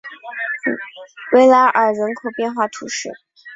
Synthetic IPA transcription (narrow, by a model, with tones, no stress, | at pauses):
we˧˥ɪla˧˥ʔə˞˨˩ɻə˧˥nkʰo˨˩ʊpjɛ˥˧nxwa˥˩t̪ʰṵ˧˥ʂɻ̩˥˩